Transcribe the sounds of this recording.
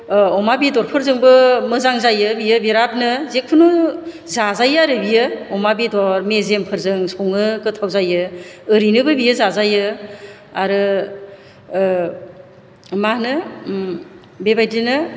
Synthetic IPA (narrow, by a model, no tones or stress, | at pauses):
ɔmabidɔɾpʰɯɾzɯŋbɯmɯzaŋzajɯbijɯbeɾap̚nɯzekʰunu | zazajaɾɯbijɯɔmabidɔɾmezempʰɯɾzɯŋsoŋɯkɯtʰawzajɯːɾinɯbɯbijɯzazajɯ | aɾɯ | mahnɯ | bebajdinɯ